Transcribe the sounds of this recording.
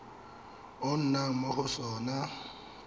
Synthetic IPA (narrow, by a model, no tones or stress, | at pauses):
ʊn̩naŋ̩moχʊsɔːna